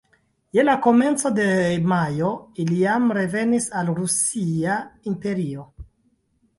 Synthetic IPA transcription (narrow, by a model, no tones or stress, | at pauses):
je̞lako̞me̞nt͡so̞de̞majo̞ilijamɾe̞ve̞nisalɾusiaimpe̞ɾio̞